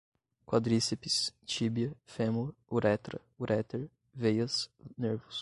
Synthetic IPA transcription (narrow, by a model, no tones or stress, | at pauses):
kwad̪ɾisepist͡ʃibiɐfemouɾɛt̪ɾɐ | uɾʔɛt̪eɾ | vejɐsneɾvʊs